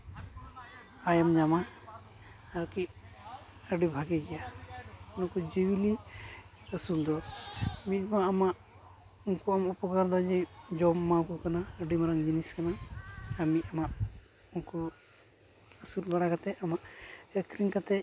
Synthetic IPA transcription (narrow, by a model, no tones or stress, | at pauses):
ajamd͡ʒama | aɾki | əɖibʱaɡiɡɛjaunakɔd͡ʒiwili | əsund̪ɔmimaamaʔ | unkɔamupɔkaɾd̪ɔd͡ʒɛjd͡ʒɔmːawkɔkanaəɖimaɾaŋd͡ʒiniskanaamiamaʔ | uŋkɔ | əsulbaɽakat̪ɛamaʔɛkɾiŋkat̪ɛ